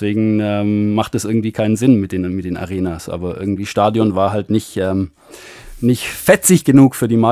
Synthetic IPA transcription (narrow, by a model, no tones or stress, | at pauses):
v̥eːɡŋ̩ʔɛːmmaχtɛsʔɪɐɡŋ̩tv̥iːkʰaɪnənzɪnmɪt̚d̥eːnmɪtd̥eːna̰ʁeːnaːsʔa̰ːbɐʔɪ̰ɐɡŋ̩tv̥iːʃtaːdjɔnvaːɐɦaltnɪçʔɛːm | nɪçtfɛt͡sɪçɡ̥ənuːkfyːɐdiːma